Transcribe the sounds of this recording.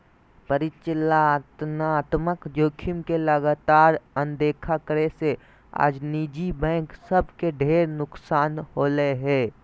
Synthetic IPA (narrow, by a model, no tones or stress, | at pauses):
pəɾɪt͡ʃɪlat̪naːt̪məkd͡ʒoːkʰɪmkeləɡaːt̪aːɾə̃nd̪eːkʰakəɾese | a̰ːd͡ʒniːd͡ʒibɛ̃ːŋksəbʱkeɖʱeːɾnʊksaːnhoːleɦɛː